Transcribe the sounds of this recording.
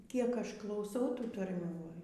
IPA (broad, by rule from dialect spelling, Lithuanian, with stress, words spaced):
ˈkʲiɛk ˈɐʃ klˠɐʊˈsʲɛʊ ˈtuː tɐrʲˈmʲuː ˈʋɐ